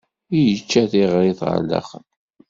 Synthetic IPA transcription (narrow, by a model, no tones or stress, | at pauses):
ijət͡ʃːæθiʁɾiθʁə̰lːɑ̰χən